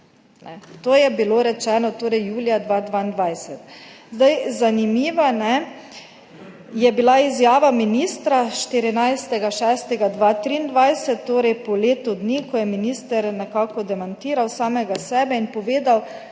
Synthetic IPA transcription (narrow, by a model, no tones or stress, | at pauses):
nɛt̪oːjɛbiloɾɛt͡ʃɛːnɔt̪oːɾɛjjuːljad̪ʋaːd̪ʋaːnd̪ʋajsɛt̪ | zd̪ajzanimiːʋanɛ | jɛbilaizjaːʋaminist̪ɾaʃt̪iɾinajst̪ɛɡaʃɛːst̪ɛɡad̪ʋaːt̪ɾiːnd̪ʋajsɛt̪ːoːɾɛjpɔleːt̪ʊd̪niːkɔjɛminist̪ɛɾnɛkaːkɔd̪ɛmant̪iːɾawsaːmɛɡasɛːbɛinpɔʋeːd̪aw